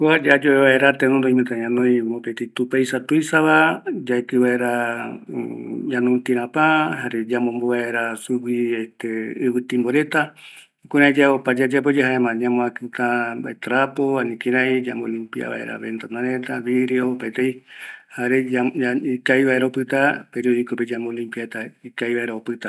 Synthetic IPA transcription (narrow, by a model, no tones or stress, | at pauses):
kuad͡ʒad͡ʒoβeβaeɾat̪enõnd̪oĩmɨ̃t̪aɲãnõĩmopet̪eit̪upajsat̪uisaβad͡ʒaekɨβaeɾa | ɲãnũnt̪iɾãpãɦaɾed͡ʒamõmboβaeɾasuwieht̪eɨβɨt̪ĩmboɾet̪a | kuɾãĩd͡ʒaopad͡ʒad͡ʒap̬od͡ʒeɦaemãɲãmõakɨt̪ãba̰et̪ɾapoanĩkĩɾaĩd͡ʒambolimpia̰βa̰ḛɾa̰βḛnt̪anãɾet̪aβiɾeopaet̪eihaɾeaaikaiβaeɾaopɨt̪apeɾioðikoped͡ʒamolimpiaet̪aikaiβaeɾaopɨt̪a